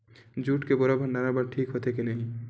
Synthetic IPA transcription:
d͡ʒuːʈkebʊɾabʱə̃ɳɖaːɾabəɾʈʰiːkɦot̪ekinɐɦĩ

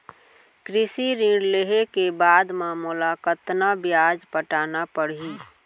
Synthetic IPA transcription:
kɾɪsiɾĩɽleɦekebaːd̪maːmʊlakət̪nabjaːd͡ʒpəʈaːnapəɽi

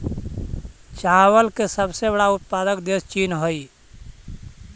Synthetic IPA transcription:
t͡ʃaɦwəlkesəbsebəɽaʊt̪̚paːd̪əkd̪est͡ʃiːnɦoi

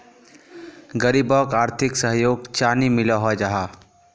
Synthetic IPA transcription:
ɡəɾibɔːkaːɾt̪ʰɪksəɦjoːɡt͡ʃaːnimɪlaɦad͡ʒaɦaː

